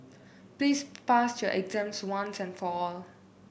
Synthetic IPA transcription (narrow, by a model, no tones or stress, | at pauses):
plispasjɔʔɛɡzɛ̃mtswãnsɛ̃nfɔɔl